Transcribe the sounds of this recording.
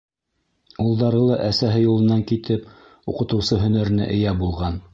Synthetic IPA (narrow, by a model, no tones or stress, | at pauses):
ulˠd̪ɑɾɤlˠɑʔæsæɦɘjulˠɤ̆nːɑŋkit̪ɘp | uqɤ̆t̪ɤ̆wsɤɦɵ̆næɾɘ̆næ̰ʔɘ̆jæbulˠʁɑn